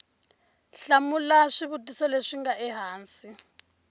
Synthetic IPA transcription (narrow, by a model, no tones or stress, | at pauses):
ɬamulaʂiβutʼisɔleʂiŋɡaʔɛɦaːnsi